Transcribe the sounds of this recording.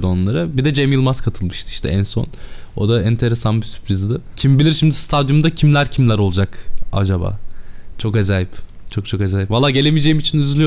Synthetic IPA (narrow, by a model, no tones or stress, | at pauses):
d̪onlˠaɾɯbid̪ɛd͡ʒemilˠmaskʰat̪ʰɯlˠmɯʃt̪ɯ̥i̥ʃt̪ʰɛ̰æ̰nso̞̰no̞̰d̪aɛnt̪ʰe̞ɾe̞sanbisy̥pɾizd̪ɪcʰimbilʲiɾʃimd̪ist̪ʰad̪jumd̪acʰimlʲæɾcʰimlʲæɾo̞lˠud͡ʒaka̰d͡ʒaba̰ːt͡ʃʰo̞kezaːjip | t͡ʃʰo̞k̚t͡ʃʰo̞kezaːjipvalˠːaːɟe̞lʲemijed͡ʒe̞jimit͡ʃʰinyzylʲyjo